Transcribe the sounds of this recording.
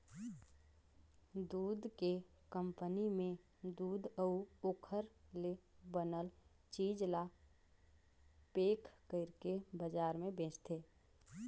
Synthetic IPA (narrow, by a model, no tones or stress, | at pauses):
d̪uːd̪ke | kə̃mpənimẽ | d̪uːd̪əuoːkʰəɾlebənəl | t͡ʃiːd͡ʒla | peːkʰkəɪɾkebəd͡ʒaːɾmẽbẽːt͡ʃt̪ʰeː